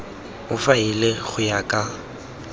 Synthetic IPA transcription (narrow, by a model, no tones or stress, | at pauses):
ʊfaileχʊjakʼa